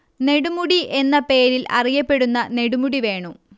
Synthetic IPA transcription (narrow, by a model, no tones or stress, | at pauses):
ne̞ɽumuɽiʔe̞nːɐpe̞ːɾilɐ̰rijɐpːe̞ɽunːɐne̞ɽumuɽiʋe̞ːɳu